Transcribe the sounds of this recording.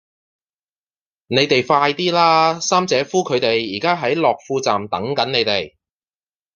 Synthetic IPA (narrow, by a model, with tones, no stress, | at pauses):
ne˨˧jt̪e˨jfaː˧˥jt̪iː˥laː˥saː˥mt͡sɛː˨˧˥fuː˥kʰɵ˨˧ɥt̪e˨jːiː˨˩kaː˥ɦɐ˨˥jlɔː˨k̚fuː˧t͡sa̰ː˨mt̪ɐ˨˥ŋkɐ˨˥nne˨˧jt̪e˨˩j